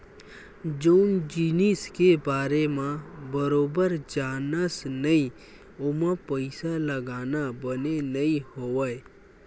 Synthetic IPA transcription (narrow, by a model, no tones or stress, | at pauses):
d͡ʒoːnd͡ʒiːniskebaːɾemãbəɾoːbəɾd͡ʒaːnəsnəĩ | ʊmãpəɪsaləɡaːnabənenəĩhoːʋəe